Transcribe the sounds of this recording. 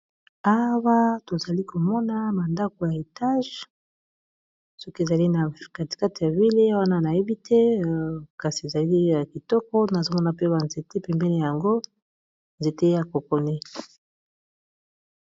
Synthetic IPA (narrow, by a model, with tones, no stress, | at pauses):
a˦wa˦to˨za˨li˦ko˨mɔ˦na˦ma˨nda˦ko˨ja˨e˨ta˦ʒ | sɔ˦ke˨za˨li˦na˨ka˨ti̥˨ka˦ti˨ja˨vi˦le˦wa˦na˦na˨je˦bi˦tʰɛ˦ka˨si˨e˨za˨li˦ja˨ki˨tɔ˦kɔ˦na˨zo˦mɔ˦na˨pe˦ba˨nze˨te˦pɛ˨mbɛ˦ne˦ja˨ŋɡo˦ | nze˨te˦ja˨ko˨ko˨ni˦